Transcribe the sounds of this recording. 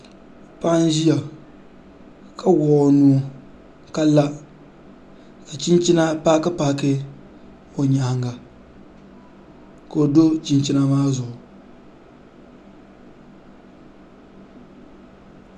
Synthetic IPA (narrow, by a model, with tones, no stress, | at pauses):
pa˦ʔn˦ʒi˦ja˨ | kʰa˦wɔː˨˦˨nu˦ | ka˦la˦ | ka˨t͡ʃi˦nt͡ʃi˦na˦pa˦kɨ˦pa˦kɪ˦ | o˨ɲa˨ha˨ŋɡa˨ | ko˨o˨do˦t͡ʃi˨nt͡ʃi˦na˦maː˦zʊ˨ʔʊ˨